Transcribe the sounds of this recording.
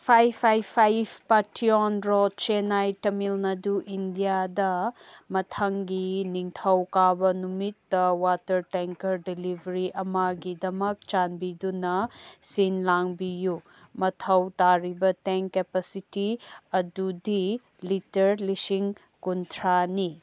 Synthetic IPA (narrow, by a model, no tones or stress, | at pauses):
pʰajpʰajpʰajbpatʰionɾot͡ʃenajtɐmilnɐduʔindijadɐmɐtʰɐŋɡiniŋtʰɐwkabɐnumitːɐwatɐɾteŋkɐɾdilibʱɐɾiʔɐmɐɡidɐmɐk̚t͡ʃanbidunɐsinlaŋbiju | mɐtʰɐwtaɾibɐteŋkkːepesitiɐdudi | litɐɾlisiŋ | kuntʰɾani